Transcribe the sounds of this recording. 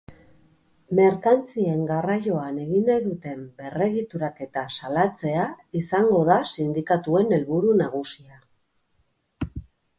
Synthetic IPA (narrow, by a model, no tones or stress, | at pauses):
me̞ɾkant͡sie̞ŋɡarajo̞ane̞ɣinajðut̪e̞mbe̞re̞ɣit̪uɾake̞t̪asalat͡se̞aisaŋɡo̞ðasind̪ikat̪ue̞ne̞lβuɾunaɣ̞usia